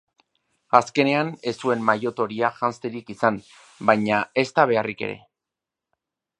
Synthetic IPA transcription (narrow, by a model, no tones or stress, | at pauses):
aske̞ne̞ane̞sue̞mmajo̞t̪o̞ɾiaʝanst̪eɾikisan | bajɲae̞st̪aβ̞e̞arike̞̰ɾe̞̰